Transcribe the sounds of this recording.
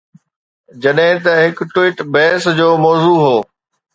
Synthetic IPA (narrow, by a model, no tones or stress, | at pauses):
d͡ʑɐɗɦɪ̃t̪ɐɦɪkʈʊwiːʈbɛːsd͡ʑoːmɔːzuːɦoː